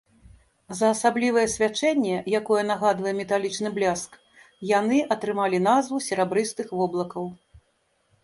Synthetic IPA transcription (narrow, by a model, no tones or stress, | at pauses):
zɐːsablʲivɐjɛsʲvʲat͡ʂɛnʲːɛjakɔjɛnɐɣad̪vɐjɛmʲɛt̪alʲit͡ʂnɨblʲask | janɨʔɐt̪ɾɨmalʲinazvusʲɛɾɛbɾɨst̪ɨxvɔblˠɐkɐw